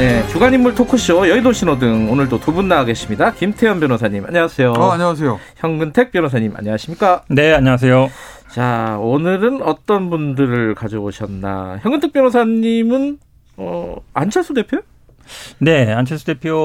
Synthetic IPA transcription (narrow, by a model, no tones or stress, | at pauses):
ne̞t͡ɕuɡaɲimːuɭtʰokʰuɕ͈ʰiojʌidoɕʰinodɯŋonɯɭdotubunːaɡe̞ɕʰimɲidakimtʰe̞jʌnbjʌnosʰaɲːima̰ɲʌŋasʰe̞joaɲʌas̬ʰejoçjʌŋɡɯntʰe̞k̚p͈jʌnosʰaɲːima̰ɲʌŋaɕʰimɲik͈ane̞aɲʌas̬ʰe̞jo | t͡ɕaonɯɾɯnʌt͈ʌnbundɯɾɯɭkad͡ʑooɕʰʌnːa̰çjʌŋɡɯntʰekpjʌnosʰaɲːimɯn | ʌant͡ɕʰes͈ʰude̞pʰjoj | ne̞ant͡ɕʰesʰudepʰjo